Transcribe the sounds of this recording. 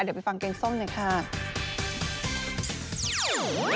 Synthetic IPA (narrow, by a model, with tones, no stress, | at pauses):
pfa˧ŋkeː˧ŋso˥˩mnːa˧˩kʰa˥˩